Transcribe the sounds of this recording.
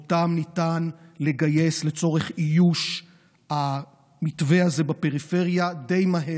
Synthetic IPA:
tamnitanle̞ɡaje̞sle̞t͡so̞ʁeχijuʃ | ha | mitveaze̞bape̞ʁife̞ʁjade̞jmaɦe

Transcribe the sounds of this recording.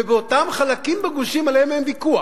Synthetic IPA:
veotamχalakimbeɡuʃimaleememvikua

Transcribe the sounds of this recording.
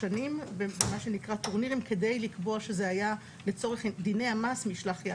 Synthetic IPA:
animbebemaʃe̞nikʁat̪uʁniʁimke̞de̞jlikboaʃe̞zeaja | le̞t͡so̞ʁeχd̪ine̞jamasmiʃlaχja

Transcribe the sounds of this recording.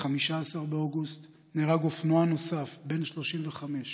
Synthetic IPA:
χamiʃaːsaʁbeoɡust | neʁaɡofnoano̞safbe̞nʃlo̞ʃimveχame̞ʃ

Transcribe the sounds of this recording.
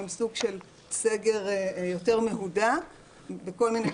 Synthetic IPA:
emsuɡʃe̞l | seɡe̞ʁjo̞te̞ʁmeɦuda | beko̞lmine

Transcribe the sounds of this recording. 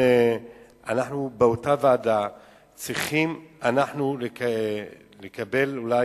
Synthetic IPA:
e | anaħnubeotaveada | t͡sʁiχimanaħnule | lekabe̞lula

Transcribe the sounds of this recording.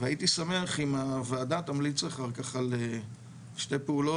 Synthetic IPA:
vait̪isameaχimavaːd̪at̪amlit͡saχaʁkaχale | ʃtepeulo̞

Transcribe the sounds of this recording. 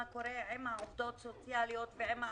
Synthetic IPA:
ako̞ɾeʕemhaovd̪o̞t̪sot͡sjalijo̞t̪veʕema

